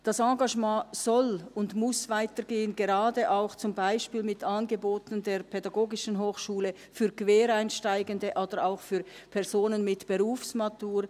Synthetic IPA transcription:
d̥ɑsɑɡɑʒmɑ̃ːz̥ɔlʊndmʊsv̥aɪtəɾɡeːənɡeʁɑːdəʔaʊxt͡sʊmbaɪʃpiːlmɪtɑnɡəboːtn̩deːʁpʰɛdaɡoːɡɪʃn̩ɦoːxʃuːlə | fyːkv̥eːɾaɪnʃtaɪɡəndəʔaːd̥əɾaʊxfyːɐɾpʰɛʁz̥oːnənmɪtb̥əʁuːfsmatuːɾ

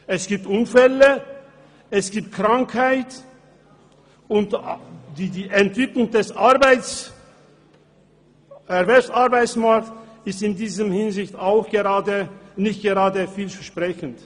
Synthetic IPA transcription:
ʔɛsɡ̥iːp̚tʔʊnfɛlə | ʔɛsɡ̥iːp̚t̚kʁ̥aŋkhaɪt | ʊntdiːdiːʔɛntv̥ɪklʊŋdɛsaɐbaɪt͡s | ɛʁbɛpsaʁbaɪt͡smaɐk̚tsɪstɪndiːzəmhɪnzɪçtaʊxɡ̥əʁaːdənɪçt̚ɡ̥əʁaːdəfiːlfɛɐʃpʁ̥ɛçən̩t

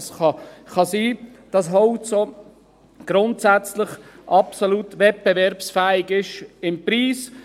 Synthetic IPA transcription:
sχɑχɑsiː | d̥ɑsɦɔʊtso | ɡ̥ɾʊntsæt͡sləχʔɑpsolutʋɛt̚b̥ɛvɛɾpsfɛːɪɡɪʃɪmpɾiːs

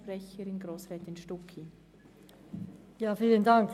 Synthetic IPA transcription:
pɾɛçəɾɪnɡɾoːsʁɛːtɪnʃtɔkʰi | jaːfiːləndaŋk

